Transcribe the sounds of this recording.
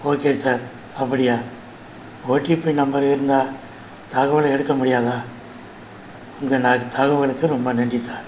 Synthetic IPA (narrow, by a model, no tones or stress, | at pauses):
oːkeːsaːɾ | ɐpːɐɽɪjaː | oːʈːipːoːjnɐmbɐɾɪɾɯnd̪aː | t̪ɐɣɐʋɐlɐɛɽɯkːɐmʊɽɪjaːðaː | ʊŋɡɐnaːɡɐt̪ʰɐɣɐʋɣɐɭɯkːɯɾɔmbɐnɛɳɖrisaːɾ